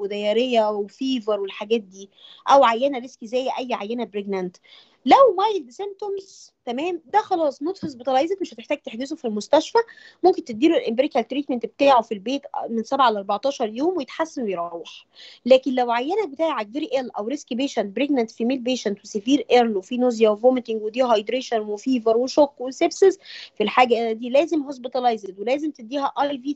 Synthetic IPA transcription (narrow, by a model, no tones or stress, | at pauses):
wed̪æjɑɾejːæwefiːvɑɾˤwelħaɡæːt̪̚d̪iːʔæwʕajːænæɾeskizæːjːʔæjːʕajːænæbɾeɡnænt̪ | læwmɑjld̪esemt̪omzt̪æmæːmd̪æxɑlɑːsˤnot̪hes̬bet̪ɑlɑːʔezˤekmeʃhæt̪eħt̪æːɡ̚t̪eħd̪ezofilmost̪æʃfæ | momkent̪et̪̚d̪iːluelʔembɾikælt̪ɾiːt̪ment̪bet̪æːʕofilbeːt̪mensæbʕalʔɑɾˤbɑʕt̪ˤɑːʃɑɾˤjoːmwejet̪ħasːænwejɾˤɑweħ | læːkenlæwʕajːænhæbet̪aːʕiʕak̚veɾiʔælʔæwɾeskibeːʃænt̪̚bɾeɡnænt̪fimeːlbeːʃænt̪wesefiːɾʔeɾlwefinozjæwevomet̪eŋɡwed̪iɦɑjd̪ɾeːʃænwefiːvɑɾˤweʃokːwesebsezfilħaːɡæd̪iːlæːzemhosbet̪ˤɑlɑjzet̪welæːzemt̪ed̪ːiːhæʔɑjviː